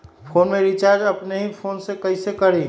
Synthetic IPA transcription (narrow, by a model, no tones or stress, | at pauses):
pʰonmeɾit͡ʃaɾd͡ʒəpneɦipʰonsekəɪsekəɾẽ